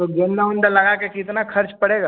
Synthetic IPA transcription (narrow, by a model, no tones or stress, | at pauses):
t̪oɡend̪aʊ̃nd̪əlɐɡakekɪt̪nakʰɐɾt͡ʃpɐɽeːɡaː